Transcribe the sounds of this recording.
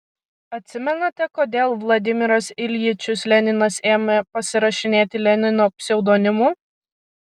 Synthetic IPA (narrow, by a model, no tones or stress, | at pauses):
ɐt̪ʲsʲɪmʲɛnɐt̪ʲɛkoːd̪ʲeːlˠʋlˠɐd̪ʲɪmʲɪɾɐsɪlʲjit͡ʃʲʊslʲɛnʲɪnɐseːmʲɛpɐsʲɪɾɐʃʲɪnʲeːt̪ʲɪlʲɛnʲɪnoːpʲsʲɛʊd̪oːnʲɪmuː